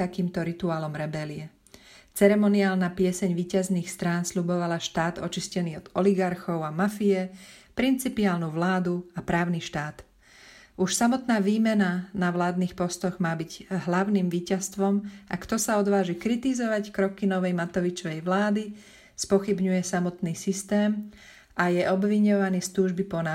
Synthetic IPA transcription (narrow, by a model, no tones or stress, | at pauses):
akiːmt̪ɔɾit̪uaːlɔmɾɛbɛliɛ | t͡sɛɾɛmɔniaːlnapɪɛsɛɲʋiːcazniːxst̪ɾaːnslubɔʋalaʃt̪aːd̪ɔt͡ʃiscɛniːɔd̪ɔliɡaɾxɔʊamafijɛpɾint͡sipiaːlnuːʋlaːd̪uapɾaːʊniʃt̪aːt̪ | ʔuʃsamɔt̪naːʋiːmɛnanaʋlaːd̪niːxpɔst̪ɔɣmaːbiɟɦlaʊniːmʋiːcast̪ʋɔmʔakt̪ɔsaɔd̪ʋaːʒikɾit̪izɔʋackɾɔkinɔʋɛjmat̪ɔʋit͡ʃɔʋɛjʋlaːd̪i | spɔxibɲujɛsamɔt̪niːsist̪ɛːm | ajɛʔɔbʋiɲɔʋaniːst̪uːʒbipɔna